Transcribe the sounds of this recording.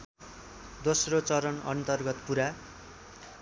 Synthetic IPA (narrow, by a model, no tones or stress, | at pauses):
d̪osrot͡sʌɾʌnʌ̰nt̪ʌrɡʌt̪puɾa